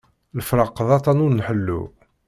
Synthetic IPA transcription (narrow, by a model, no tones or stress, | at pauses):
ləfɾɑqːðˤɑt̪ˤɑnunːħəlːṵ